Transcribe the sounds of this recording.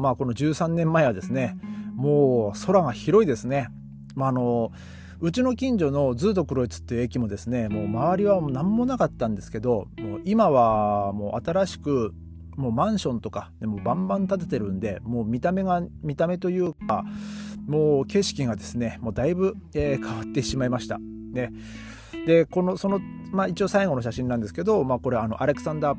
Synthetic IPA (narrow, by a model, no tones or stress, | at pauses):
maːko̞no̞d͡ʑɨːsãnːẽ̞mːae̞β̞ad̪e̞sɨne̞moːso̞ɾaɡaçiɾo̞id̪e̞sɨne̞ | maːno̞ | ɯ̟t͡ɕino̞kʲĩɲ̟d͡ʑo̞no̞d͡zɨːt̪o̞kɯ̟ɾo̞it͡sɨ̥t̪ːe̞jɯ̟e̞kʲimo̞d̪e̞sɨne̞mo̞ːmaβaɾʲiβanãmːo̞nakat̪ːãnd̪e̞sɨ̥ke̞d̪o̞moːʔimaβamo̞ːʔat̪aɾaɕi̥kɯ̟ | moːmãɰ̃ɕõ̞nt̪o̞kad̪emoːbãmbãnt̪at̪̬e̞t̪eɾɯ̟̃nd̪e̞mo̞ːmʲit̪ame̞ɡamʲit̪ame̞t̪o̞jɯ̟ːka | moːke̞ɕi̥kʲiɡad̪e̞sɨne̞mo̞ːd̪aibɯ̟eːkʰaβat̪ːe̞ɕimaimaɕi̥t̪a̰ | ne̞ | d̪e̞ko̞no̞so̞no̞ | mait͡ɕio̞ːsaiɡo̞noɕaɕĩnãnd̪esɨ̥ke̞d̪o̞maːko̞ɾeano̞̰ʔaɾe̞kɯ̟̥sãnd̪aː